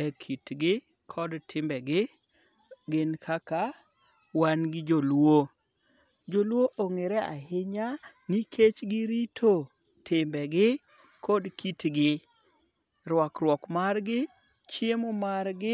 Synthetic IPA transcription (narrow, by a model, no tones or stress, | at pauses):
ɛkʰitɡɪ | kʰɔdtʰɪmbɛɡɪ | ɡɪnkʰaka | wanɡɪd͡ʒolwo | d͡ʒolwoʔoŋeɾɛa̰ɦɪɲanikʰet͡ʃɡɪɾitʰo | tʰɪmbɛɡɪ | kʰodkʰitɡɪ | ɾwɔkɾwɔkmarɡɪ | t͡ʃemomaɾɡɪ